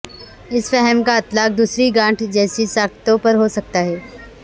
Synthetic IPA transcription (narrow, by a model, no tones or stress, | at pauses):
ɪsfɛɦəmkaɪt̪laːk̚d̪uːsɾiɡãːɳʈʰd͡ʒɛːsisaːkt̪õpɐɾɦosɐk̚t̪aɦɛː